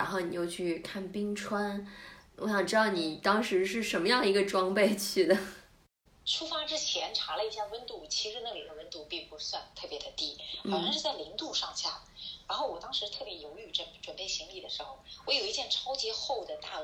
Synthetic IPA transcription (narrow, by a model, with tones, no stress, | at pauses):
ɻa˧˥nxo˥˩ʊni˨˩jo˥˧ʊt͡ɕʰy˥˧kʰa˥˩npi˥ŋʈ͡ʂʰwa˥nwɔ˧˥ɕjɑ˨˩ʈ͡ʂɻd̪ɑ˥˩ʊni˨˩t̪ɑ˥ŋʂɻ̩˧˥ʂɻ̩˥˩ʂə˧˥nmə˧jɑ˥˩ŋdə˩i˧˥ɡə˧ʈ͡ʂwɑ˥ŋpe˥˧ɪt͡ɕʰy˥˩d̪ə˩ | ʈ͡ʂʰu˥fa˥ʈ͡ʂɻ̩˥t͡ɕʰjɛ˧˥nʈ͡ʂʰa˧˥lə˧i˥˩ɕja˥˧˩wə˥nt̪u˥˩t͡ɕʰi˧˥ʂɻ̩˧˥na˥˩li˨˩d̪ə˦wə˥nt̪u˧˥pi˥˩pu˧˥swa˥˧nt̪ʰɤ˥˩pjɛ˧˥d̪ə˧t̪i˥xʊɕɑ˥˧ŋʂɻ̩˥˧˩t͡sa˥˩ɪli˧˥ŋt̪u˥˧ʂɑ˥˧ŋɕja̰˥˩ɻa˧˥nxo˥˩ʊwɔ˨˩t̪ɑ˥ŋʂɻ̩˧˥t̪ʰɤ˥˩pjɛ˧˥jo˧˥ʊy˥˨˩ʈ͡ʂə˥˩nʈ͡ʂwə˨˩npe˥˩ɪɕi˧˥ŋli˥˩d̪ə˩ʂɻ̩˧˥xo˥˩ʊwɔ˧˥jo˨˩ʊi˥˩t͡ɕjɛ˥˩nʈ͡ʂʰɑ˥ʊt͡ɕi˧˥xo˥˩ʊd̪ə˩t̪a˥˩